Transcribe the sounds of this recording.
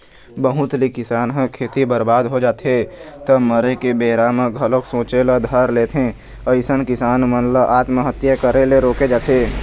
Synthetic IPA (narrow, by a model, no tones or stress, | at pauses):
bəɦʊt̪likɪsaːnɦəkʰeːt̪ibəɾbaːd̪ɦod͡ʒaːt̪et̪əməɾekebeːɾaːməɡʱəloksõːt͡ʃeləd̪ʱəɾleːt̪ʰẽ | əɪsənkɪsaːnmənləʔaːt̪məɦət̪jəkəɾeleɾoːked͡ʒaːt̪eː